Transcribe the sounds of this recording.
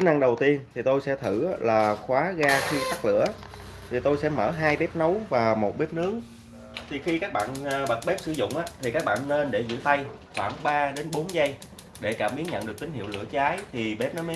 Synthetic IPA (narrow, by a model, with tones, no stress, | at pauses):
i˨˦nʔa˧ŋɗə˨˩wt̪i˧ənt̪ʰi˨˩t̪o˧jsɛ̰˧˥t̪ʰɨ˧˩a˦laː˨˩xwaː˨˦ɣaː˧xi˧xa˦˥k̚lɨ̰˧˥ə | t̪ʰi˨˩t̪o˧jsɛ̰˧˥məː˧˩ɦaː˧jɓɛ˦˥p̚nə˨˦wvaː˨˩mo˨˩t̚ɓe˦˥p̚nɨ˦˥əŋ | t̪ʰi˨˩xi˧kaː˦˥k̚ɓa̰ː˧˨nː˨ɓə˨˩t̚ɓe˦˥p̚sɨ̰˧˦zʊ̰˧˨wŋ͡mʔaː˨˦t̪ʰi˨˩kaː˦˥k̚ɓa̰ː˧˨nːe˧nɗe˧˩zɨ̰˧˥t̪a˧jxwaː˧˩nɓaː˧ɗe˨˦nɓo˨˦nza˧j | ɗe˧˩kaː˧˩mɓi˨˦˥ənɲə̰˧˨nɗɨ˨˩ək̚t̪i˨˦ŋ̟hḭ˧˨wlɨ̰˧˩ət͡ɕaː˨˦jt̪ʰi˨˩ɓɛ˦˥p̚nə˨˦me˦˥